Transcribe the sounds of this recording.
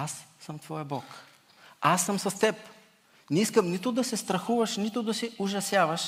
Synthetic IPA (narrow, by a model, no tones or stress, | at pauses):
asːəmt̪v̥ɔjɐbɔk | asːəmsɐst̪ɛp | nɛiskəmnit̪ʊd̪ɐsɛst̪ɾɐxuvɐʃnit̪ʊd̪ɐsɛʊʒɐsjavɐʃ